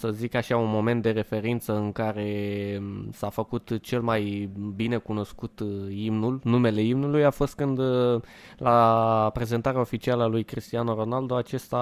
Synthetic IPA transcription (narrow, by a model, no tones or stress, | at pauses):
səzikaʃaunmo̞me̞nt̪̚d̪e̞ɾe̞fe̞ɾint̪səɨŋkaɾe̞ | safəkut̪t͡ʃe̞lmajbine̞kuno̞skut̪imnulnume̞le̞imnulujafo̞st̪̚kɨnd̪ | lapɾe̞ze̞nt̪aɾeao̞fit͡ʃialəalujkɾist̪ianoɾo̞nald̪o̞at͡ʃe̞st̪a